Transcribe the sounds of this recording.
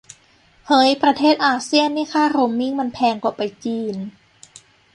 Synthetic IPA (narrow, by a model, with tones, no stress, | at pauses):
hɤ˧˦˥jpɾa˧t̪ʰeː˥˩t̪̚ʔaː˧si˥˩ənːiː˧˥˩kʰaː˥˩ɾo˧˦mːi˥˩ŋma˧npʰɛː˧ŋkɔː˨˩pa˧jt͡ɕiː˧n